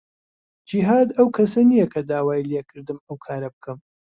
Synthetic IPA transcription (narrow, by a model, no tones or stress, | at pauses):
d͡ʒiɦaːd̪ɐwkʰɐsɐnijɐkʰɐd̪aːwaːjileːkʰɨɾd̪ɨmɐwkʰaːɾɐbɨkʰɨm